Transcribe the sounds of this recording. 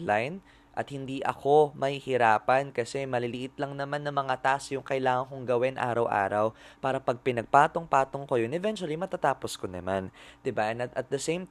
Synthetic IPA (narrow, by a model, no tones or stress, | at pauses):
lajn | ʔɐ̰t̪̚hɪnd̪iʔɐ̰ko̞mɐhɪhɪɾaːpɐnkɐsɛmɐlɪlɪʔɪt̪lɐŋnɐmanːɐmɐŋat̪aʔsjʊŋkɐjlaːŋɐŋkʊŋɡɐwɛnʔa̰ːɾɐwʔa̰ːɾɐwpaːɾɐpɐɡ̚pɪnɐɡ̚paːt̪o̞ŋpaːt̪oŋkojonʔɛvɛnt͡ʃʊɐlimɐt̪at̪aːposkonɐ̰mand̪̥ɪbaʔɛnɐt̪ʔɐt̪̚d̪ɐsẽjm